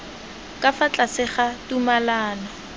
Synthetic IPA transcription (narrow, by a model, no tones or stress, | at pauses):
kʼafat͡ɬʼasɪχatumalaːna